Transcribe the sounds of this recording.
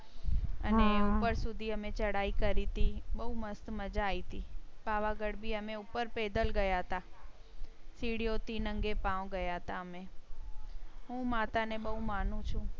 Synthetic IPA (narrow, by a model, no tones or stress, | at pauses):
əneupəɾsʊd̪ʱiəmẽt͡ʃəɽaikəɾit̪iɓəɦuməst̪məd͡ʒaːit̪ipaʋaɡəɽbʱiəmẽupəɾped̪əlɡəjaɦət̪a | siɽijot̪inəŋɡepãʋõɡəjaɦət̪aəmẽ | ɦũmat̪aneɓəɦumaːn̤ũt͡ʃʰũ